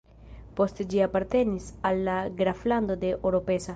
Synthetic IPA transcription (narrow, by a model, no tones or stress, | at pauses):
post̪ed͡ʒiapaɾt̪enisalːaɡɾafland̪od̪eʔeɾopesa